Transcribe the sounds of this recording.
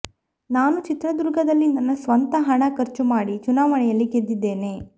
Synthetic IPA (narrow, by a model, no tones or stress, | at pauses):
naːnut͡ʃit̪ɾɐd̪uɾɡɐd̪ɐlːinɐnːɐsʋɐnt̪ɐɦɐɳɐkɐɾt͡ʃumaːɽit͡ʃunaːʋɐɳɛjɐlːiɡed̪ːid̪ːe̞ːneː